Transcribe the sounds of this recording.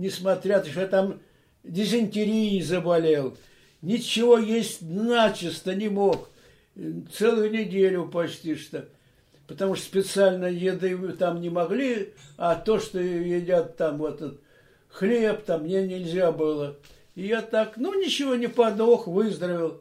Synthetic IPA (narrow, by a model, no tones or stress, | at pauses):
nʲɪsmɐt̪ɾʲat̪əʂjat̪am | dʲɪzənʲtʲɪɾʲijɪzəbɐlʲelˠ | nʲɪt͡ɕːɪvo̞jesʲtʲnat͡ɕɪst̪ənʲɪmox | t̪sɛlˠɨjʊnʲɪdʲelʲʊpɐsʲtʲiʂt̪o | pət̪ɐmuʂt̪spʲɪt̪sɨalʲnəjɪd̪ɨt̪amnʲɪmɐɡlʲiɐt̪o̞ʂt̪ojɪdʲat̪ːamvot̪ət̪ | xlʲe̞pt̪amːnʲenʲɪlʲzʲabɨlˠə | ɪjat̪aknunʲɪt͡ɕɪvo̞nʲɪpɐd̪oxvɨzd̪ɾəvʲɪlˠ